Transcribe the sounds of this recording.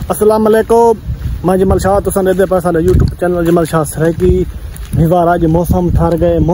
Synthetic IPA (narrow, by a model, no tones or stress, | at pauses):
əsəlaːməleːkoːmãːd͡ʒəməlʃaːt̪ʊsãːɗeːd̪eːpəsãːleːjuːʈjuːbt͡ʃeːnəld͡ʒəməlʃaːsɾəkiːbʱɪʋaːɾaːʄmoːsəmʈʰəɾɡəeːmoː